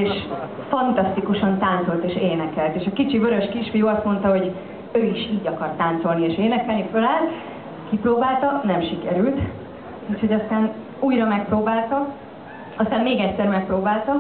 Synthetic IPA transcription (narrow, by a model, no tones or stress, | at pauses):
eːʃ | fɒnt̪ɒst̪ikuʃɒnt̪aːnt̪so̞lt̪eːʃeːnɛkɛlt̪eːʃɒkit͡ʃivøɾø̞ʃkiʃfijoːɒst̪mo̞nt̪ɒɦo̞ɟ | øːiʃiːɟɒkɒrt̪ːaːnt̪so̞lnieːʃeːnɛkɛlnifølaːl | kiproːbaːlt̪ɒnɛmʃikɛɾylt̪ | uʃʰho̞ɟɒst̪aːn | uːjrɒmɛk̚proːbaːlt̪ɒ | ɒst̪aːmmeːɡɛcsɛrmɛk̚proːbaːlt̪ɒ